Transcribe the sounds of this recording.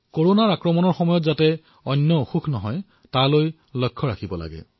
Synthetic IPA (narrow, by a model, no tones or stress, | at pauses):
koɹonaɹakɹɔmɔnɔɹxɔmɔjɔtzatɛ | ɔnːɔuxukʰnɔɦɔj | taloj | lɔjkʰːɔɹakʰibɔla̰ɡɛ̰